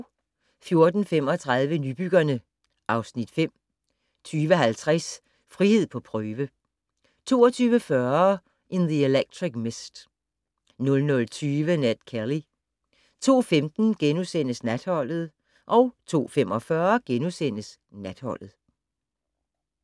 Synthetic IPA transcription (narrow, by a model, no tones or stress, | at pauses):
fjo̝ɐd̥n̩fem̰ɒ̽t͡sʰʁäð̞ˠʋənyb̥yɡ̥ɐnə | ʔɑ̈ʊsnid̥fem̰ | t͡sʰyːʋəɦælt͡sʰʁas | fʁihe̝ð̞̰ˠpʰɒ̽pʰʁœːʋə | t͡sʰo̝̰ːɒt͡sʰyːʋəfɶɐ | ʔenðie̝leɡ̥̚dʰʁiɡ̥mesd̥ | nɔ̽lnɔ̽lt͡sʰyːʋənæd̥kʰæli | t͡sʰo̝̰ːfemd̥n̩ɡ̥enusen̰əsnæd̥hɒ̽l̰ð̞̩ˠ | ʔɒ̽ʊt͡sʰo̝̰ːfem̰ɒ̽fɶɐɡ̥enusen̰əs | næd̥hɒ̽l̰ð̞̩ˠ